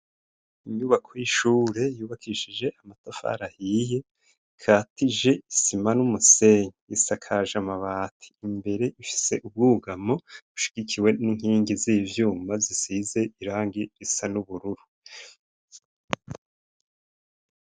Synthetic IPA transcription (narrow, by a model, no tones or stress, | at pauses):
iɲɲuːβakʰojiʃuːɾe̞juːβakʰiʃiʒe̞ʔamatafa̰ɾahije̞ | kʰaːtiʒe̞isimanumuse̞ɲiisakʰaʒamaβaːtʰi̥ːmbe̞ɾe̞ʔifi̥se̞ʔub̚ɡuːɡamo̞βuʃi̥ɡ̥ikʰiwe̞niŋ̥hiːŋɡiziːvjuːmazisize̞ʔiɾaːŋɡiɾisanuβuɾuɾu